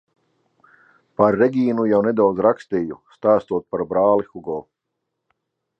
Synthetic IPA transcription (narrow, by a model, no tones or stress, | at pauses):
paɾːɛɡʲiːnujawnɛd̪awd̪zɾakst̪iːjust̪aːst̪uɔt̪̚paɾbɾaːlˠixuɡɔː